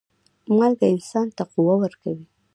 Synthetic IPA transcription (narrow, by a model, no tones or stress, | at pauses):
malɡaɪnsɑnt̪aquwawəɾkawi